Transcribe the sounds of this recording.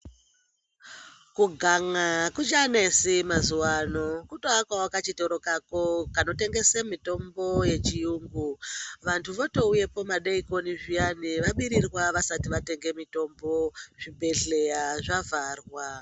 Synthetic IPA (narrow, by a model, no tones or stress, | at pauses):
kuɡʱaŋakut͡ʃanesimazuwano̞kutoakwawakat͡ʃitoɾo̞kakokano̞te̞ŋɡe̞semito̞mbo̞je̞t͡ʃijuŋɡuʋantʰuʋoto̞uje̞po̞maɗeiko̞niʐijaniʋaɓiɾirwaʋasatiʋate̞ŋɡe̞mito̞mbo̞ʐ̥ibʱe̞ɮe̞jaʐavʱaːrwa